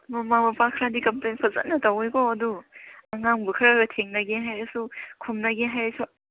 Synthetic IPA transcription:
mɐmamɐpakʰɾadikɐmplejnpʰɐzɐ̰t̚nɐtɐwekɔɐduɐŋaŋbukʰɾaɡɐtʰeŋnɐɡeɦajɾɐsukʰumnɐɡeɦajɾɐsu

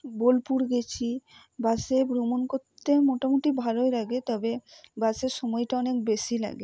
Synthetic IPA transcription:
bolpuɾɡet͡ɕʰi | basebɾomonkoɾt̪ʰːemoʈamoʈibʱaloelaɡet̪ɔbebaseɾʃɔmɔjʈaɔnekbeʃila̰ɡe

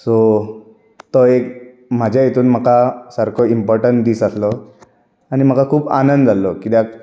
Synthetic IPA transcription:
so | t̪ɔek | m̤ad͡ʑʱjajet̪uːnm̤əkasəɾkʰɔimpɔɾʈəɳʈd̪iːsaslɔ | aɽ̃im̤əkakʰuːpa̰nənd̪d͡zalːɔkit̪ja

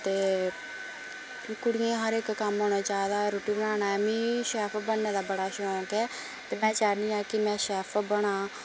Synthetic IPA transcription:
t̪eː | kʊɽɪẽːɦəɾɪkːəmɦoːnaːt͡ʃaːed̪aːɾoːʈiːbəɽaːnaːɛːmĩːʃɛːpʰbənːeːd̪aːbəɽaːʃʊnõːkɛː | t̪eːmɛ̃ːt͡ʃaːniːaːkɪmɛ̃ːʃɛːpʰbəɽ̃aː

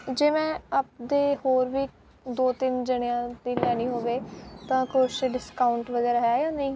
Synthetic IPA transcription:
d͡ʒeːmɛ̃ːəp̚d̪eːhoːɾʋiː | d̪oːt̪ɪnd͡ʒəɽeãːd̪iːlɛːɽ̃ĩːɦoːʋeːt̪ãːkʊʃɖɪskaːʊɳʈʋəɡɛːɾaɦɛaːjaːnəĩː

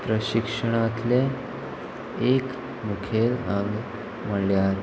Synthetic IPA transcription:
pɾəɕikʂəɽ̃ãt̪le | ek | mukʰelãŋɡ | məljaɾ

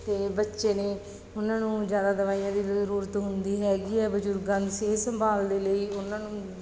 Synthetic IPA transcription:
t̪eːbətːʃeːneː | ʊnãːnũːd͡ʒjaːd̪aːd̪əʋaːijãːd̪iːəɾuːɾət̪ɦʊnd̪iːɦɛːɡiːɛːbəd͡ʒʊɾɡãːnseːsəmbʱaːld̪eːləiːʊnãːnũː

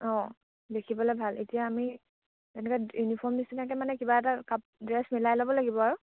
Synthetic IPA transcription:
ɔ̃ | dekʰibɔlɛbʱalḛtijaːmi | tɛnɛkɛjunipʰɔɹmdisinakɛmanɛkibaɛtakap̚dɹɛsmilajlɔbɔlaɡibɔaɹu

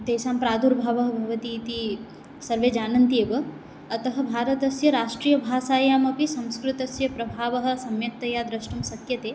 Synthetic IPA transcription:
d̪eːsaːmpɾaːd̪ʱuɾbʱaːʋɐɦɐbʱɐʋɐt̪iːt̪i | sɐɾʋeːd͡ʒaːnɐnt̪iɐʋɐ | ɐt̪ɐɦɐ̆bʱaːɾɐt̪ɐsjɐɾaːʂʈɾiːjɐbʱaːsaːjaːmɐpisɐ̃w̃skɾɪt̪ɐsjɐpɾɐbʱaːʋɐɦɐ̆sɐmjɐk̚t̪ɐjaːd̪ɾɐʃʈɐmsɐkjɐt̪eː

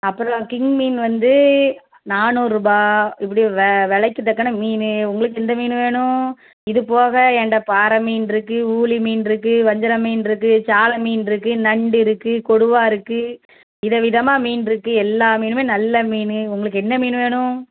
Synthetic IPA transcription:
ɐpːɯɾɐɔ̃kɪŋɡmiːnʋɐnd̪ɯ | naːnuːɾɯbaːɪp̬ːɐɽiʋʋɛɭɐɪkːɯt̪ːɐkːɐɳɐmiːnɯʊŋɡɐɭɯk̬ːɯɛnd̪ɐmiːnɯʋeːɳʊ̃ | ɪðɯpoːɣɐɛɳɖɐpaːɾɐmiːnɪɾɯkːɯuːɭimiːnɪɾɯkːɯʋɐɲd͡ʒɐɾɐmiːnɪɾɯk̬ːɯt͡ʃaːlɐmiːnɪɾɯkːɯnɐɳɖɪɾɯkːɯkɔɽɯʋaːɪɾɯkːɯ | ɪðɐʋɪðɐmaːmiːnɪɾɯkːɯɛlːaːmiːnɯmeːnɐlːɐmiːnɯʊŋɡɐɭɯkːɯɛnːɐmiːnɯʋeːɳʊ̃

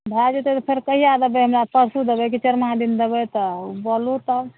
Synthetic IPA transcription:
bʱad͡ʒet̪et̪ɔpʰeɾkəɦijad̪ebɛɦəmɾapəɾsud̪ebɛkit͡ʃəɾmad̪ind̪ebɛt̪ɔbɔlut̪ə

